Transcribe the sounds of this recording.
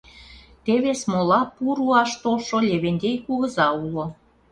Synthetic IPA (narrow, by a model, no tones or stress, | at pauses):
t̪eβesmolɑpuɾuɑʃt̪olʃolʲeβenʲd̪ʲejkuɣə̆zɑulo